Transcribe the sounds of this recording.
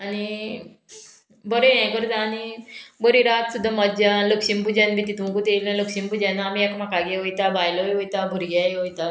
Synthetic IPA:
ani | bəɾeɛ̃kəɾt̪ãːnibəɾiɾat̪sud̪ʱːamad͡ʑjãləkɕimpud͡ʑãnbit̪it̪umkut̪elãləkɕimpud͡ʑãnaːmiekmakaɡeʋojt̪abajlojojt̪abʱəɾɡajʋojt̪a

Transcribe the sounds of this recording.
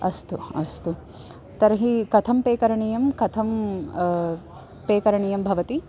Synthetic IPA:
ɐst̪uɐst̪u | t̪ɐɾɐɦikɐt̪ʰɐmpeːkɐɾɐɳijɐmkɐt̪ʰɐm | peːkɐɾɐɳijɐmbʱɐʋɐt̪i

